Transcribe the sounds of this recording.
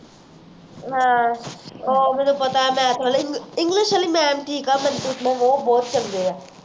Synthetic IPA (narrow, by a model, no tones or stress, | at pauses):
ɦãː | oːmɛnupɐt̪aɛmɛ̃t̪ʰaleɪ̃ŋɪ̃ŋɡlɪʃəlimɛ̃ːmʈʰiːkaːmɛ̃nt̪ut̪ʰlãʋobɔːt̪̚t͡ʃɐld̪eɛː